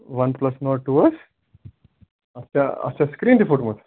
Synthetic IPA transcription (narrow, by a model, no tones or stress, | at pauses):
ʋɐnplɐsnoʈuʋɐs | ɐst͡ɕaɐ̰st͡ɕaskɾiːnt̪ifuːʈmət̪